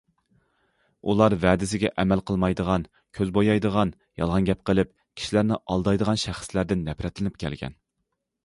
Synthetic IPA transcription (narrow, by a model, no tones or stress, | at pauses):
ulˠɑɾvɛːd̪ɪsɪɡʲɛʔɛmælqʰəlˠmɑjd̪əʁɑn | kʲʰøzbojɑjd̪əʁɑn | jɑ̰lˠʁɑnɡʲɛp̚qʰəlˠɪp | kʲʰi̥ʃilæɾnɪʔɑlˠd̪ɑjd̪əʁɑnʃæχslæɾd̪ɪnːɛpɾɛt̪lɪnɪp̚kʲʰɛ̰lɡʲɛ̰n